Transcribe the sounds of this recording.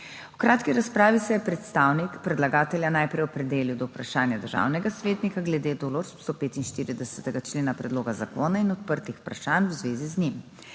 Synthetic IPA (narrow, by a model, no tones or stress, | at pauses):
ukɾaːt̪kiɾaspɾaːʋisɛjɛpɾɛt̪st̪aːwnikpɾɛd̪laɡaːt̪ɛljanajpɾɛjɔpɾɛd̪eːliwd̪ɔwpɾaʃaːnjad̪əɾʒa̰wnɛɡasʋeːt̪nikaɡlɛd̪eːd̪oloɾsst̪opeːt̪inʃt̪iːɾid̪ɛsɛ̥t̪ɛɡat͡ʃleːnapɾɛd̪loːɡazakoːnainɔt̪̚pəɾt̪ixpɾaʃanwzʋeːziznim